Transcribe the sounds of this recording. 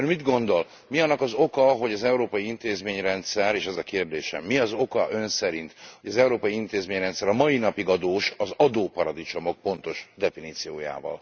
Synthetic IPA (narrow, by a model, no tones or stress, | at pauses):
rmid̪ɡo̞nd̪o̞l | miɒnːɒkɒzo̞kɒɦo̞ɟɒzɛuɾoːpɒjiint̪eːzmeːɲrɛnt̪sɛɾeːʃɛzɒkeːrd̪eːʃɛ̰mːiɒzo̞kɒʔø̞nsɛɾint̪ho̞ɟɒzɛuɾoːpɒjiint̪eːzmeːɲrɛnt̪sɛɾɒmɒjinɒpiɡɒd̪oːʃɒzɒd̪oːpɒɾɒd̪it͡ʃo̞mo̞k̚po̞nt̪o̞ʃd̪ɛfiniːt̪sijoːja̰ːvɒ̰l